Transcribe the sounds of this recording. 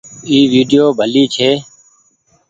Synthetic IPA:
iːʋiːɖɪjoːbʱəliːt͡ʃʰeː

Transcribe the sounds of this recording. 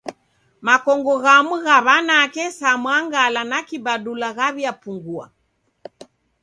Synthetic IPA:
makɔŋɡɔɣamuɣaβanakɛsamwaŋɡalanakibaɗulaɣaβiapuŋɡua̰

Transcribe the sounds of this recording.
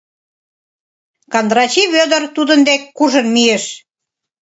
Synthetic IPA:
kɑnd̪ɾɑt͡ɕiβød̪ərt̪ud̪ənd̪ekːuʒə̆nmijeʃ

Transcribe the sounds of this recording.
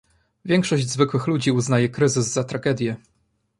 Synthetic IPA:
vʲjɛŋkʂɔʑd͡ʑzvɘkwɘxlud͡ʑiuznajɛkɾɘzɘzːat̪ɾaɡɛd̪ʲjɛ

